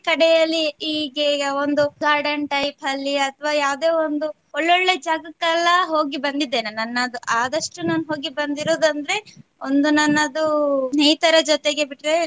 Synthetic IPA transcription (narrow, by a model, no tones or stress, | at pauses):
kɐɽɛjɐlːiiːɡeond̪uɡaːɾɖɐɳʈɐjpɐlːiɐt̪ʰʋaːjaːwd̪e̞ːond̪u | ɔɭːoɭːed͡ʒaːɡɐkːɐlːɐɦo̞ːɡibɐnd̪id̪ːeːnenɐnːɐd̪uʔaːd̪ɐʂʈunaːnɦo̞ːɡibɐnd̪iɾoːd̪ɐnd̪ɾe̞ond̪unɐnːɐd̪unɛjt̪ɐɾɐd͡ʒɔt̪eɡe̞biʈɾe